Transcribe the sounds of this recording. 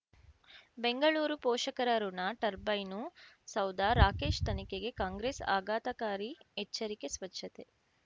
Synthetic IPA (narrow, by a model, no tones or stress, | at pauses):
beŋɡɐɭuːɾupoːʃɐkɐɾɐɾunɐʈɐɾbɐjnu | sɐwd̪ʱaːɾaːke̞ːʃt̪ɐnikeɡe̞kaːŋɡɾeːsa̰ːɡaːt̪ɐkaːɾiet͡ʃːɐɾike̞sʋɐtːʃʰɐt̪e̞